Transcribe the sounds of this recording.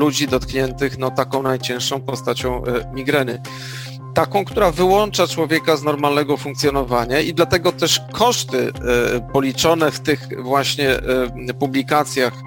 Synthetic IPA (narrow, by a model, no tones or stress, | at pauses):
lud͡ʑid̪ɔt̪kɲɛnt̪ɘxnɔt̪akɔ̃w̃najt͡ɕɛ̃w̃ʂɔ̃w̃pɔst̪at͡ɕɔ̃w̃mʲiɡɾɛnɘ | t̪akɔ̃w̃kt̪uɾavɘwɔnt͡ʂat͡ʂwɔvʲjɛkaznɔɾmalnɛɡɔfuŋkt̪sjɔnɔvaɲaid̪lat̪ɛɡɔt̪ɛʂkʰɔʂt̪ɘpɔlʲit͡ʂɔnɛft̪ɘxvwaɕɲɛ | publʲikat̪sʲjax